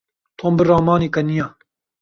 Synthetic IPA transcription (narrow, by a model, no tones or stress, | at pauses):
t̪ʰoːmbɨrɑːmɑːniːkɐnijaː